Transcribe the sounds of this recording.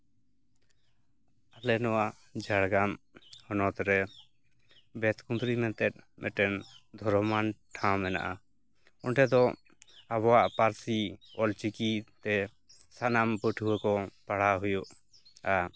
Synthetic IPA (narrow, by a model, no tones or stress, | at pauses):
alɛnɔwaʔ | d͡ʒaɽɡam | hɔnɔt̪ɾɛ | bɛt̪kund̪ɾimɛnt̪ɛt̪̚mʔɛʈɛnd̪ʱɔɾɔmanʈʰãmɛna̰ʔa | ɔnʈɛd̪ɔ | aβɔwaʔpaɾsiɔlt͡ʃikit̪ɛ | sanambəʈʰuwəkɔpaɽaɦujuʔ | a